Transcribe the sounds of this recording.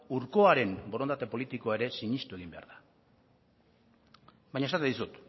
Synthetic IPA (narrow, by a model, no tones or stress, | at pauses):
uɾko̞aɾe̞mbo̞ɾo̞nd̪at̪e̞po̞lit̪ikoae̞ɾe̞siɲist̪ue̞ɣ̞imbe̞a̰ɾða | bajɲaesat̪eðisut̪